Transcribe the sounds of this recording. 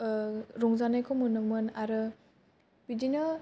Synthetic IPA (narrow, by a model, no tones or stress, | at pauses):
ɾɔŋzanajkʰɔmɯnɯmɯnaɾɯ | b̥idina